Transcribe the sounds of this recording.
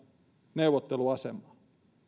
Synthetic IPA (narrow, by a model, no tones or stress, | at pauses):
neuʋot̪ːeluɑsemːˑɑ